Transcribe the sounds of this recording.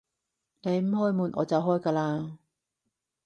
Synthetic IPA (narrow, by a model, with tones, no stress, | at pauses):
ne˨˧jm̩˨˥hɔː˥jmuː˨˧nʔɔ̰ː˨˧t͡sɐ˨wɦɔː˥jkaː˧laː˧